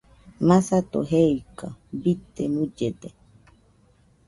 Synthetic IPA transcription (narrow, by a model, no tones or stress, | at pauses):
masat̪oɦeikabit̪emud͡ʒed̪e